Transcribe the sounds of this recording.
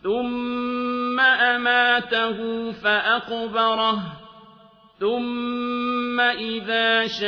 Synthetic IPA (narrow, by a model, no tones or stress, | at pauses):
θʊmː | aʔamaːt̪ahʊfaʔaqbɑɾˤɑh | θʊmː | aʔɪðaːʃa